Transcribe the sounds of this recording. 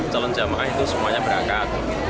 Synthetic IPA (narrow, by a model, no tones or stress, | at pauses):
t͡ʃalɔnd͡ʒamaʔaɦit̪usəmuaɲabəɾakat̪̚